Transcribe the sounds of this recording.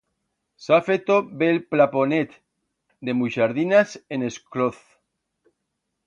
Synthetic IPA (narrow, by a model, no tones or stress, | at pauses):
safet̪obelplaponet̪ | d̪e̞muʃaɾðinaseneskloθ